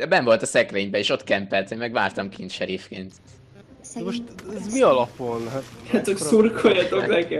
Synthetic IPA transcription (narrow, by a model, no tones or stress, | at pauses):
d̪̥ɛbɛɱvo̞lt̪ɒsɛkleːɲbɛeːʃo̞t̪kɛmpɛlt̪emːɛɡʋaːrt̪ɒmkint̪ʃɛɾifkeːnt̪ | d̪ɛmoʃt̪ɛzmiɒlɒpolɦɛt̪at̪okssurkojɒt̪oknɛkɛ